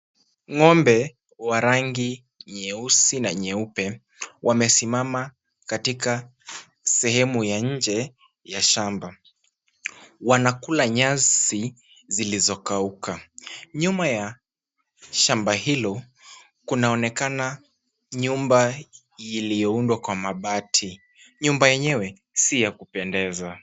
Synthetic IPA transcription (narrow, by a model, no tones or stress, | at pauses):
ŋɔmbɛ | waɾaŋɡi | ɲɛusinaɲɛupɛ | wʔamɛsimama | katika | sɛhɛmujaɲ̩d͡ʒɛ | jaʃamba | wanakulaɲazi | zilizɔkaukaɲumaja | ʃambaɦilɔ | kunaɔnɛkana | ɲumba | ilijɔundwakwamaɓatʰi | ɲumbajɛɲɛwɛ | sijakupɛndɛza